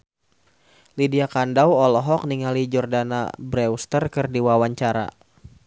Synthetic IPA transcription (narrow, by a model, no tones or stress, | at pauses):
lidiakandawɔlɔɦɔk̚niŋalid͡ʒɔrdana̰bɾɛust̪ərkɨrdiwawaɲt͡ʃaɾa̰